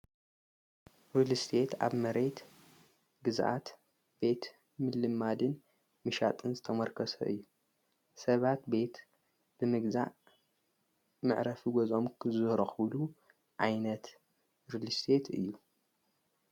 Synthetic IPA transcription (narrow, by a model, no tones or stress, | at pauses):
ɾulist̪ʰe̞t̪ʰa̰βmɐɾe̞t̪ | ɡɨzʔa̰t̪ | b̥e̞t̪ | mɨlɨmad̪ɨn | mɨʃat̪ʼɨnzɨt̪ʰɐmɐɾkʰɐsɐ̰ʔɨ̰jːu | sɐβat̪be̞t̪ | b̥ɨmɨɡza̰ʔ | mɨʕɾɐfiɡozo̞mkʰɨzɨhɾoxɨβlu | ʕajnɐt̪ | ɾulist̪ʰe̞t̪ʰɨ̰jːu